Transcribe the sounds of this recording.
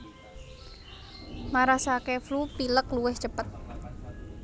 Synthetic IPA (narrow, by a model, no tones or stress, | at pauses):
maɾasakeflupiləkluwɪhd͡ʒəpət̪̚